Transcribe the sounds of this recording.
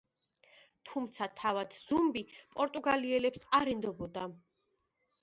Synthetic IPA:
t̪ʰumt̪sʰat̪ʰavad̪̥z̥umbipʼɔɾt̪ʼuɡaliɛlɛpsaɾɛnd̪ɔbɔd̪a

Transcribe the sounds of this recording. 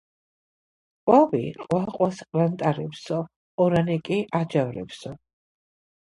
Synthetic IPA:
qʼwabḭqʼwaqʼwasqʼvant̪ʼaɾɛpsɔː | ɾanɛkʼiʔad͡ʒavɾɛ̰psɔ

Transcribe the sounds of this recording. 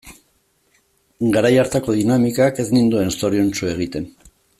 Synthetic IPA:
ɡaɾajaɾt̪ako̞ðinamikake̞znind̪ue̞nst̪o̞ɾiont͡ʃue̞ɣ̞it̪e̞n

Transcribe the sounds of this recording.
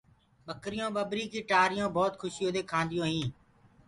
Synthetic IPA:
ɓəkɾɪjõːɓəbɾiːkiːʈaːɾɪjõːbɔːt̪kʰʊʃɪjõːd̪eːkʰãːnd̪ɪjõːɦĩː

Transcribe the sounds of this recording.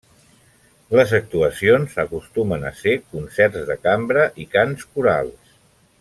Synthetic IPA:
ləzək̚t̪uəsionsəkust̪umənə̰sekunsɛrzðəkambɾəʔikanskuɾa̰lˠs

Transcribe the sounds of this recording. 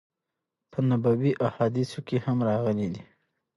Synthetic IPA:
pənabawiʔahɑd̪isokehamɾɑɣəlid̪i

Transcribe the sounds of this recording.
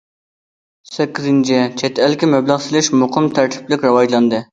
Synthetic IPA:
sɛkʲːizɪnt͡ʃʰɪt͡ʃʰɛt̪ɛlkʲɪmɛblˠəʁsɪlɪʃmʊqʰəmt̪ʰæɾt̪ʰɪ̥plɪkʲɾɨwɑʒlˠɑnd̪ɨ

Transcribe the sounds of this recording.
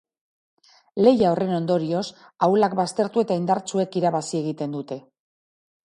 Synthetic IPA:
le̞jaore̞no̞nd̪o̞ɾio̞s | awlakbast̪e̞ɾt̪ue̞t̪aind̪aɾt͡sue̞kiɾaβasie̞ɣ̞it̪e̞nd̪ut̪e̞

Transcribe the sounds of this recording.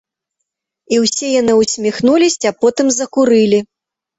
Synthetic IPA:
iwsʲɛjanɨwsʲmʲixnulʲisʲapɔt̪ɨmzɐkuɾɨlʲi

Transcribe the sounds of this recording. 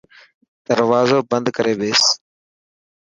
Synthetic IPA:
d̪̥əɾʋaːzoːbənd̪kəɾeːɓeːs

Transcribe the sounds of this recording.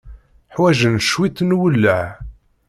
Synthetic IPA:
ħwæʒənʃwit̪ːnwəlːəʕ

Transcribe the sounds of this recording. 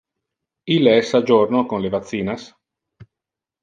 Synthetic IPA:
ileɛsːad͡ʒornokonlevat̪sːiːnas

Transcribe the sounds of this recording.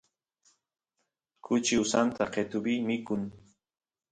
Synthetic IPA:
kʰʊt͡ʃɪʊsant̪aqet̪ʊbiːmɪkʊŋ

